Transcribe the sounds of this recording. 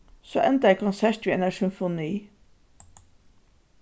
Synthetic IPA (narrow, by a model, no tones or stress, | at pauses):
so̰ːʔɛnt̪əæɪkʰʊnsæɹʈʋiːɛnæsʏnfʊniː